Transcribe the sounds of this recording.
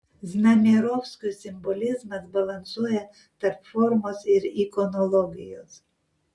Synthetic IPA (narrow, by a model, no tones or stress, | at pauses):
znɐmʲiɾɔwskʊjsʲɪmbɔlʲɪzmɐzbɐlˠɐnsuɔjɛ | t̪ɐɾpfɔɾmɔsɪɾikɔnɔlˠɔɡʲɪ̰jo̰s